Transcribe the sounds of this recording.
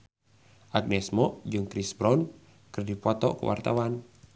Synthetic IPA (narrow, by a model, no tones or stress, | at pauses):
ʔaɡ̚nɛsmɔʔd͡ʒɨŋkɾisbɾɔn | kɨrdipɔt̪ɔ̰kṵwʔa̰rt̪a̰wan